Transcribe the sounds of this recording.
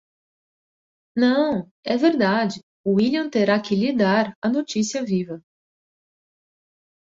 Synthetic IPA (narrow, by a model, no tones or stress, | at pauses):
nɐ̃w̃ | ɛveɾd̪ad͡ʒɪ | ʊiliɐ̃t̪eɾakɪlid̪aɾɐnot͡ʃisiɐvivɐ